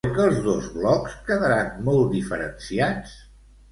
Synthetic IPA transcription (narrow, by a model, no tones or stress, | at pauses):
kəːlˠzðozβlɔkskəðəɾanmɔlˠd̪ifəɾənsiat͡s